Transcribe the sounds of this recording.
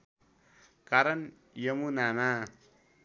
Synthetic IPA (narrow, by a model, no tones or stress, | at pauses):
kaɾən | jəmunana